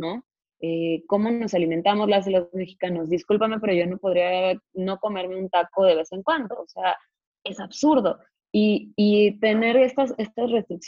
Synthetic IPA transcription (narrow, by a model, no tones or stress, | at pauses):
no̞ | eko̞mo̞no̞saliment̪amo̞zlazelome̞xi̥kanozðiskulpame̞pe̞ɾo̞ʝo̞no̞po̞ð̞ɾiano̞ko̞me̞ɾme̞ũnt̪ako̞ð̞eβe̞se̞ŋkwand̪o̞ːse̞a | e̞saβsuɾðo̞ | iː | t̪e̞ne̞ɾe̞st̪ase̞st̪azre̞st̪ɾiks